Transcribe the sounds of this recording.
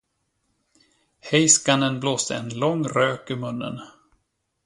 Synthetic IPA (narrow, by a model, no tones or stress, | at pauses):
hɛjskanənbloːsd̪ə̰ɛnlɔŋːɾøːkʏmɵnːə̰n